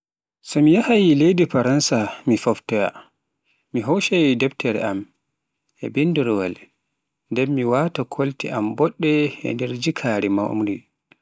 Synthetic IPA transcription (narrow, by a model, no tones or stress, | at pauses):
sɔmijahajilejdifaɾansamifɔftɛja̰ | miɦowʃajidɛbtʰɛɾɛ̰am | ʔɛ̰binduɾwa̰l | ndɛmːiwatakʰoltiʔambɔɗːɛɛ̰ndɛɾd͡ʒikʰaːɾɛma̰ṵmɾi